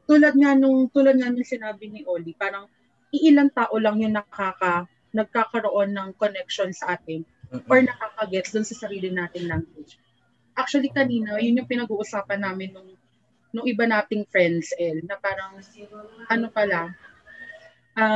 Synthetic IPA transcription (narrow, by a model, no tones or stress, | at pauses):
t̪uːlɐd̪̚ŋanʊŋt̪uːlɐd̪̚ŋanʊŋsɪnaːbɪnɪʔoːlipaːɾɐŋ | ʔɪʔɪlaŋt̪aːʔo̞lɐŋjʊŋnɐkɐkaːkɐ | nɐɡ̚kaːkɐɾo̞ʔo̞nːɐŋko̞nɛk̚ʃo̞nsɐʔaːt̪̚ɪn | ʔoɹnɐkaːkɐɡɛt̪sd̪ʊnsɐsɐɾiːlɪnaːt̪ɪŋlaŋɡwɪd͡ʒ | ʔak̚t͡ʃwɐlikɐniːnojʊnjʊŋpɪnɐɡuːʔʊsaːpɐnːaːmɪnːʊŋ | nʊŋʔɪbanaːt̪ɪŋfɹɛnd̪sʔɛlnɐpaːɾɐŋ | ʔɐnopɐla | ʔɐ